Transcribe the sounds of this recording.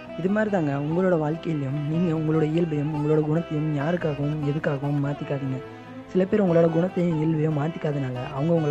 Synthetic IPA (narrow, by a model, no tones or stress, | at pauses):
ɪðɯmaːɾiðaːŋɡɐʊŋɡɐɭoːɽɐʋaːɻkɐjɪlːɐjʊ̃mniːŋɡɐʊŋɡɐɭoːɽɐɪːɪlbɐjɯmʊŋɡɐɭoːɽɐɡʊɳɐt̪ːɐjʊ̃mjaːɾɯkːaːɣɐʋʊ̃mɛðɯkːaːɣɐʋʊmːaːt̪ːɪkːaːðiŋɡɐ | sɪlɐpeːɾʊŋɡɐɭoːɽɐɡʊɳɐt̪ːɐjʊ̃ɪlʋɐjʊ̃maːt̪ːɪkːaːðɯnaːlɐʔɐʋɐŋɡɐʊŋɡɐɭ